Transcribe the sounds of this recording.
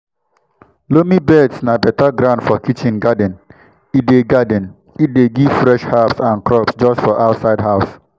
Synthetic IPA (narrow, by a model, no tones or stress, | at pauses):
lomibɛdsnabɛtaɡɾãʊ̃ndfɔkit͡ʃĩnɡadɛ̃n | it̚deɡadɛ̃n | it̚deɡiv̥fɾɛʃhapsãnkɾɔpsd͡ʒɔstfɔʔaʊtsaɪdɦaʊs